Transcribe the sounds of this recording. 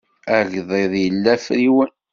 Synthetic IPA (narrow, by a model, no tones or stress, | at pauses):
æʝðˤeðˤjəlːæfɾiwən